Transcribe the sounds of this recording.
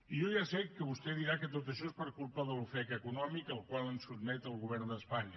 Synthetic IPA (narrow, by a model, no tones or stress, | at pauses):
ijɔʒasɛkːəβust̪ɛðiɾakət̪ot̪əʃɔespəɾkulˠpəðəlufɛkəkunɔmikəlˠkwalˠənsud̪mɛt̪əlˠɣuβ̞ɛɾnd̪əspaɲə